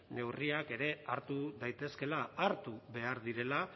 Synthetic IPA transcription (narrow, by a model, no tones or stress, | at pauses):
ne̞wriake̞ɾe̞aɾt̪uðajt̪e̞ske̞laaɾt̪uβe̞aɾðiɾe̞la